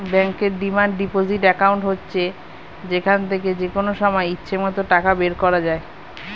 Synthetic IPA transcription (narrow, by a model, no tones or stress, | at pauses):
bɛŋkeɾɖimaɳɖɖipod͡ʑiʈɛkawɳʈɦotːɕʰe | d͡ʑekʰant̪ʰeked͡ʑekonoʃɔmɔeitːɕʰemɔt̪oʈakabeɾkɔɾad͡ʑae